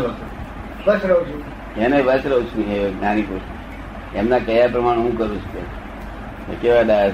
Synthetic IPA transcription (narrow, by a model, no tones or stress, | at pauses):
ʋəsɾəɦũt͡ʃʰu | eneʋəsɾəɦũt͡ʃʰunieɡnanipuɾʃi | emnakəjaɾp̬ɾəmaɽeɦũkəɾũt͡ʃʰu̥kḛt͡ʃʰ | ḛkeʋad̪a